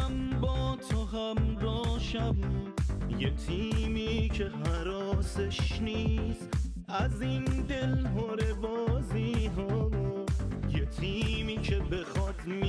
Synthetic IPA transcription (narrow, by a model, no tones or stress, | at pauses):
mbɔːt̪ʰoɦæmdɔːʃæb | jet̪ʰiːmiːcʰeɦæɾɔːseʃnis | æzind̪e̞lɦoɾebɔːziɦɔmojet̪ʰiːmiːkʰe̞be̞xɔːt̪ʰm